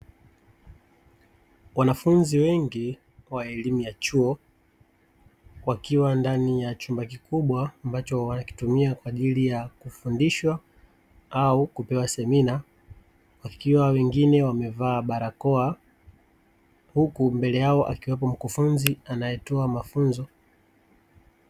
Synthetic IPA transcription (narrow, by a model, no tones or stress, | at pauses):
wanafunziwɛŋɡi | waɛlimujat͡ʃuɔ | wakiwandanijat͡ʃumbakikuɓwaːmbat͡ʃɔwanaki̥tumiakwaːʄilijakufundiʃwa | aukupɛwasɛmina | wakiwawɛŋɡinɛwamɛvaːɓaɾakɔa | hukumbɛlɛjaɔʔa̰kiwapɔm̩kufunzianajɛtɔamafunzɔ